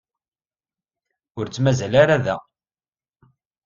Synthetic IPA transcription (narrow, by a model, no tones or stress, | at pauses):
ʊɾt͡sːmæzælaɾaðæ